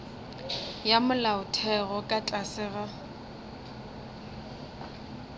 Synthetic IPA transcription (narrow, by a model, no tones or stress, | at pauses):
jamʊlaʊtʰɛɣɔkʼat͡ɬʼasɪːɣa